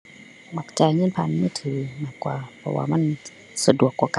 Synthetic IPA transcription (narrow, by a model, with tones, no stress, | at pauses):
ma˧˩k̚t͡ɕaː˧˩jŋɤː˧˥˨npʰa˧˥˨nmɯː˧˥˨t̪ʰɯː˨˦maː˧˩kwaː˧˩pʰɔ̰˧wa̰ː˧ma˧˥˨n | sa˧du˨˩əkːwaː˧˩ka˧